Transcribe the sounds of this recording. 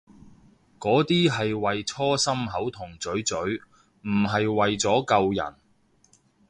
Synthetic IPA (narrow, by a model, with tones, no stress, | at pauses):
kɔː˨˥t̪iː˥ɦɐ˨jwɐ˨jt͡sʰɔː˥sɐ˥mɦɐ˨˥wt̪ʰʊ˨˩ŋt͡sɵ˨˥ɥt͡sɵ˨˥ɥ | m̩˨˩ɦɐ˨jwɐ˨jt͡sɔː˨˥kɐ˧wjɐ̰˨˩n